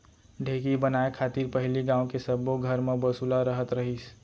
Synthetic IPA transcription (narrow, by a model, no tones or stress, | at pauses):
ɖʱekibənaekʰat̪iɾpəɦiliɡãõkesəbːoɡʱəɾmebəsulaɾəɦət̪ɾəɦis